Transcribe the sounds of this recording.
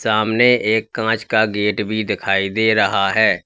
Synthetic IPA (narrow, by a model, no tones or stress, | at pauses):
saːmneeːkːãːt͡ʃkaɡeːʈbʱid̪ɪkʰaːid̪eːɾəɦaɦɛː